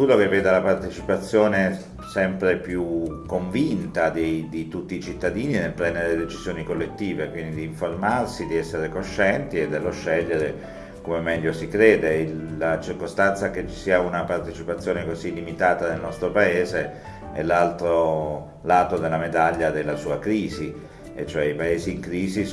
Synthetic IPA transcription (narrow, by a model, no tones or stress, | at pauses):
uːɾok̟evːeːd̪alapart̪et͡ʃipat̪sːjoːne | sɛmpɾepjukːoɱvint̪ad̪ed̪it̪ut̪ːiːt͡ʃit̪ːad̪iːninelpɾɛnd̪eɾeled̪et͡ʃiz̥joːnikolːet̪ːiːvekwind̪id̪iːɱformarsid̪iɛsːeɾekoʃːɛnt̪ied̪ːelːoʃːɛʎːeɾe | komemɛʎːosikɾeːd̪elːat͡ʃirkost̪ant̪sak̟et͡ʃːi̥siːaunapart̪et͡ʃipat̪sːjoːnekozilːimit̪aːt̪ad̪elnɔst̪ɾopaeːze | ɛ̰lalt̪ɾo | laːt̪od̪elːamed̪aʎːad̪elːasuːakɾiːzi | et͡ʃːoɛipaeːziːŋkɾiːzi